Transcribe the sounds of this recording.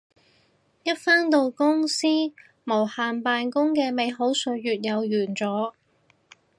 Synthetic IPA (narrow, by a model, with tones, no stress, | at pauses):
jɐ˥t̚faː˥nt̪o˧wkʊ˥ŋsiː˥ | mo˨˩whaː˨npaː˨˧nkʊ˥ŋkɛː˧me˨˧jɦo˨˥wsɵ˨˧jyː˨t̚jɐ˨˧wjyː˨˩nt͡sɔː˨˥